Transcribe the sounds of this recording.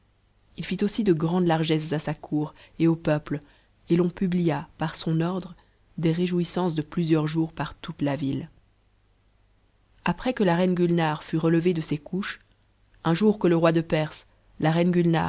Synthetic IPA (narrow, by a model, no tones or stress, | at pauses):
ilfit̪osid̪əɡʁɑ̃d̪laʁʒɛs̬zasakʰuːʁeopœpl | elɔ̃pyblijapaʁsɔ̃nɔʁd̪ʁə | d̪eʁeʒuisɑ̃sd̪əplyzjœʁʒuːʁpaʁt̪ut̪lavil | apχɛkəlaʁɛnɡʲylnaʁfyʁələved̪əsekʰuʃ | ɛ̃ʒuʁkələʁwad̪əpɛʁs | laʁɛnɡʲylna̰